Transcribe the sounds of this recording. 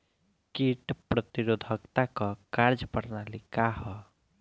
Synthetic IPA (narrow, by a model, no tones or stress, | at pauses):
kiʈpɾət̪iɾod̪ʱəkt̪akɔkaɾd͡ʒpəɽnalikaɦɔ